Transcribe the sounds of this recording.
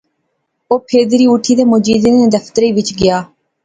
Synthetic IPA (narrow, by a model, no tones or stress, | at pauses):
oːpʰeːd̪ɾiːʊʈʰiːd̪eːmod͡ʒiːd̪eːnẽːd̪əfʰt̪əɾiːʋɪt͡ʃɡɪjaː